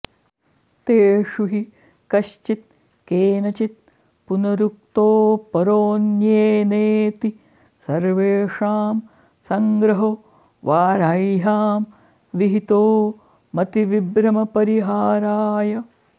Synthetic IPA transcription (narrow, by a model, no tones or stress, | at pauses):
t̪eːʂuɦi | kɐʃt͡ʃit̪̚ | keːnɐt͡ʃit̪̚ | punɐɾuk̚t̪oːpɐɾoːnjeːneːt̪i | sɐɾʋeːʂaːm | sɐŋɡɾɐɦo | ʋaːɾajɦaːm | ʋiɦit̪oː | ɐt̪iʋibɾɐmɐpɐɾiɦaːɾaːjɐ